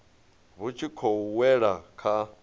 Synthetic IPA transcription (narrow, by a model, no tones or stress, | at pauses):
βut͡ʃʰikʰɔuwɛɺakʰa